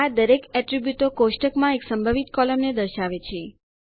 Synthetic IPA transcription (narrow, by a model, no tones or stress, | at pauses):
ad̪əɾekɛʈɾibjut̪okoʃʈəkmãeksəmbʱəʋit̪kɔləmned̪əɾʃaʋet͡ʃʰe